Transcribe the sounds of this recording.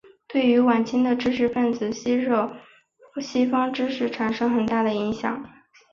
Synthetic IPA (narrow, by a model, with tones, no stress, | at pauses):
t̪we˥˩ɪy˧˥wa˨˩nt͡ɕʰɛ˥ŋd̪ə˨ʈ͡ʂɻ̩˥ʂɻ̩˥˧fə˥˩nd͡zɹ̩˨˩ɕi˥ɻɤ˥˩ | ɕi˥fɑ˥ŋʈ͡ʂɻ̩˥ʂɻ̩˥˩ʈ͡ʂʰa˨˩nʂɤ˥ŋxə˨˩nt̪a˥˩d̪ə˩i˧˥ŋɕjɑ̰˨˩˦ŋ